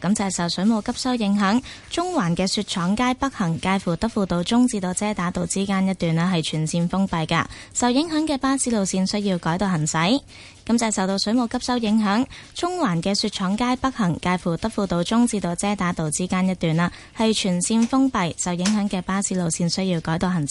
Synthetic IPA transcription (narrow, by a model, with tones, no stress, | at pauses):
kɐ˨˥mt͡sɐ˨jsɐ˨wsɵ˨˥mo˨˧wkɐ˥p̚sɐ˥wjɪ˨˧˥ŋɦœː˨˥ŋt͡sʊ˥ŋwaː˨˩nkɛː˧syː˧t̚t͡ʃʰɔː˨˥ŋkaː˥jpɐ˥k̚hɐ˨˩ŋkaː˧jfuː˨˩t̪ɐ˥k̚fuː˨˧t̪o˧wt͡sʊ˥ŋt͡siː˧t̪o˧wt͡sɛː˥t̪aː˨˥t̪o˨˧wt͡siː˥kaː˥njɐ˥t̚t̪yː˨˩na˧ɦɐ˨jt͡ʃʰyː˨˩nsiː˧nfʊ˥ŋpɐ˨jka̰ː˧sɐ˨wjɪ˨˥ŋɦœː˨˥ŋkɛː˧paː˥siː˨˥lo˨˧wsiː˧nsɵ˥ɥjiː˧wkɔː˨˥jt̪o˨˧wɦɐ˨˩ŋsɐ˨˥j | kɐ˨˥mt͡sɛː˧˩jsɐ˨wt̪o˧wsɵ˨˥mo˨˧wkɐ˥p̚sɐ˥wjɪ˨˥ŋɦœː˨˥ŋt͡sʊ˥ŋwaː˨˩nkɛː˧syː˧t̚t͡ʃʰɔː˨˧˥ŋkaː˥jpɐ˥k̚hɐ˨˩ŋkaː˧jfuː˨˩t̪ɐ˥k̚fuː˨˧t̪o˧wt͡sʊ˥ŋt͡siː˧t̪o˧wt͡sɛː˥t̪aː˨˥t̪o˨wt͡siː˥kaː˥njɐ˥t̚t̪yː˨˩naː˧ | hɐ˨jt͡ʃʰyː˨˩nsiː˧nfʊ˥ŋpɐ˨jsɐ˨wjɪ˨˥ŋɦœː˨˥ŋkɛː˧paː˥siː˨˥lo˨˧wsiː˧nsɵ˥ɥji˧wkɔː˨˥jt̪o˨˧whɦɐ˨˩ŋ˦